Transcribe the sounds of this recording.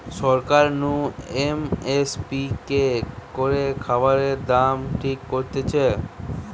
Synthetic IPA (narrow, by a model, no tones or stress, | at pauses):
ʃɔɾkaɾnuemespikekoɾekʰabaɾeɾd̪amʈʰikːoɾt̪et͡ɕʰe